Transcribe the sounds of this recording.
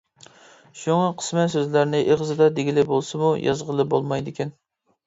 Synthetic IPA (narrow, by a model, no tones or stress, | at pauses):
ʃuŋɑqʰə̥smɛsøzlæɾnɪʔeʁəzɨd̪ɑd̪eɡʲilɪbolˠsɨmujʔɑ̰zʁəlˠɨbolˠmɑjd̪ɪkʲɛn